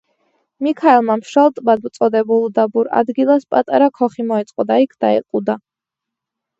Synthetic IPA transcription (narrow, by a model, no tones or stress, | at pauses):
mikʰaɛlˠmamʃalˠt̪ʼbad̪mt̪sʼɔd̪ɛbulˠd̪abuɾa̰d̪ɡilˠaspʼat̪ʼa̰ɾakʰɔχimɔɛt̪sʼqʼɔd̪aikʰd̪̥aɛ̰qʼud̪a